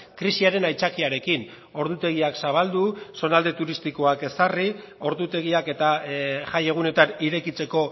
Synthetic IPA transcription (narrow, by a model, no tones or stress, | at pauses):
kɾisiaɾe̞najt͡sakiaɾe̞kin | o̞ɾðut̪e̞ɣ̞iaksaβ̞ald̪uso̞nald̪e̞t̪uɾist̪iko̞ake̞sari | o̞ɾðut̪e̞ɣ̞iake̞t̪aʝaje̞ɣ̞une̞t̪aniɾe̞kit͡se̞ko̞